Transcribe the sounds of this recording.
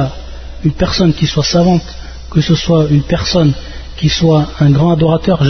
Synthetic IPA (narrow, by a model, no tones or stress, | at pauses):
ynpɛʁsɔnkʲiswasavɑ̃t̪ | kəsəswaynpɛʁsɔnkʲiswaɛ̃ɡʁɑ̃ad̪ɔʁat̪œʁʒ